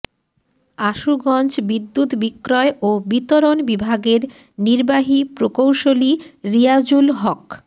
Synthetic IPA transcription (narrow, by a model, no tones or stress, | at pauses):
aʃuɡɔnt͡ɕbid̪ːut̪bikːɾɔeʔobit̪oɾonbibʱaɡeɾ | niɾbaɦipɾokowʃoliɾiad͡ʑulɦɔk